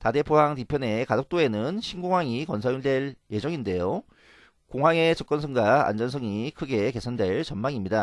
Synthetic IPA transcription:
tade̞pʰoaŋtipʰjʌne̞kad͡ʑok̚t͈oe̞nɯnɕʰinɡoŋɦwaŋikʌnsʰajuɭdwe̞ɭje̞d͡ʑʌŋinde̞jo | koŋɦwaŋe̞t͡ɕʌk͈ʌnsʰʌŋɡwa̰ːnd͡ʑʌns̬ʰʌŋikʰɯɡe̞ke̞sʰʌndwe̞ɭt͡ɕʌnmaŋimɲida

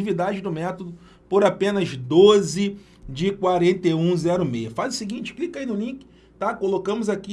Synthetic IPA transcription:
ivid̪ad͡ʒɪd̪ʊmɛt̪od̪ʊ | poɾapẽnɐzd̪ozɪ | d͡ʒɪkwaɾẽnt̪eũzɛɾʊmejɐfazʊsɪɡĩt͡ʃɪ̥klikainʊlĩkɪ̥ | t̪akolokɐ̃mʊzaki

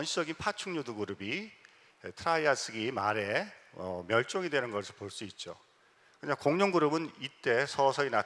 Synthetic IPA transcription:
ʌnɕʰi̥d͡ʑʌɡinpʰat͡ɕʰuŋɲoduɡuɾɯbi | etʰɯɾaias͈ʰɯɡimaɾe̞ʌ̰mjʌɭt͡ɕ͈oŋidwe̞nɯnɡʌsʰɯɭpoɭs͈uit̚t͡ɕ͈o̰ | kɯɲakoŋɲoŋɡuɾɯbɯnit͈e̞sʰʌsʰʌina

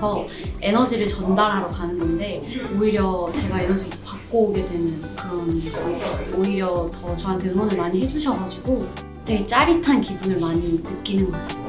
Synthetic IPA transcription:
ʌ | e̞nʌd͡ʑiɾɯɭt͡ɕʌndaɾɦaɾʌkanɯnɡʌnde̞oiɾjʌt͡ɕe̞ɡae̞nʌd͡ʑi | pak͈oɡe̞dwe̞nɯnkɯɾʌn | oiɾjʌtʌt͡ɕʌɦantʰenonɯɭmaɲiɦe̞d͡ʑuɕʰʌɡad͡ʑiɡo | tʰeɡet͡ɕ͈aɾitʰankibunɯɭmaɲinɯk͈inɯnɡʌk͈as͈ɯ

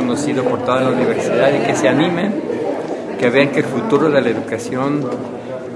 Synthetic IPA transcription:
onosiðopo̞ɾt̪oðenlauniβe̞ɾsiðaðike̞seanimen | ke̞βeaŋkeːlfut̪uɾo̞ðe̞laeðukasjo̞n

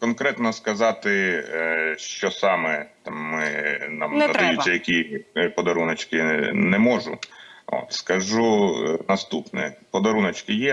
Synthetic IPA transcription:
kɔnkɾɛt̪nɔskɐzɑt̪ɪ | ʃt͡ʃɔsɑmɛt̪ɑmːɪnɑ̰mnɐd̪ɐjut͡sʲːɐjɐkʲipɔd̪ɐɾunɐt͡ʃkɪnɛmɔʒʊo̰t̪skɐʒunɐst̪upnɛ̰pɔd̪ɐɾunɐt͡ʃkɪjɛ

